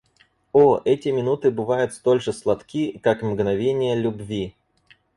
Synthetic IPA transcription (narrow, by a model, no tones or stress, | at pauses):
oʔɛtʲɪmʲɪnut̪ɨbɨvajʊt̪st̪o̞lʲʐɨslˠɐt̪kʲikakmɡnɐvʲenʲɪjəlʲʊbvʲi